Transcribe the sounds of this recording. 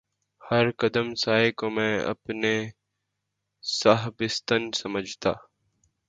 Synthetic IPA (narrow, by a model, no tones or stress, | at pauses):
hɐɾkəd̪əmsaːekomɛ̃ːɐ̰pne | saɦbɪst̪ənsɐməd͡ʒʱt̪aː